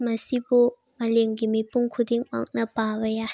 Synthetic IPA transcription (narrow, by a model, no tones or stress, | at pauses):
mɐsibu | mɐleŋɡimipuŋkʰud̪iŋma̰k̚nɐpabɐja